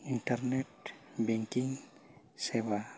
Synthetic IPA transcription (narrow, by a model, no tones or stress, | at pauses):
intaɾnet̚beŋkiŋ | seβa